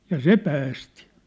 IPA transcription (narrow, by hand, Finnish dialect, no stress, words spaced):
jɑ se pæːsti